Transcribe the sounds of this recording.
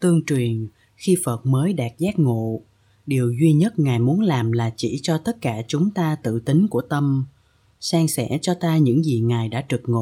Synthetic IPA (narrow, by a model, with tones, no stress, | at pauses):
t̪ɨ˧əŋt͡ɕwi˨˩ən | xi˧fə˨˩t̚məː˨˦jɗaː˨˩t̚zaː˦˥k̚ŋṵ˧˨ | ɗi˨˩əwzwi˧ɲə˦˥t̚ŋaː˨˩jmu˨˦ənlaː˨˩mlaː˨˩t͡ɕḭ˧˩t͡ɕɔ˧t̪ə˦˥t̚kaː˧˩t͡ɕʊ˨˦ŋ͡mt̪aː˧t̪ɨ̰˧˨t̪ï˨˦ŋ̟ku˧˩ət̪ə˧m | saː˧ŋsɛ̰˧˥t͡ɕɔ˧t̪aː˧ɲɨ̰˧˥ŋzi˨˩ŋaː˨˩jɗa̰ː˧˥t͡ɕɨ˨˩k̚ŋṵ˧˨